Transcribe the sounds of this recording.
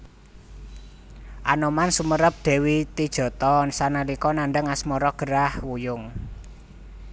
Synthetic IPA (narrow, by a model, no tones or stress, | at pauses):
ʔanɔmansuməɾəp̚d̪̥ɛ̤wit̪id̥ʒ̥ɔ̤t̪ɔnsanalikɔnaɳɖəŋasmɔɾɔɡ̥ə̤ɾahwujʊŋ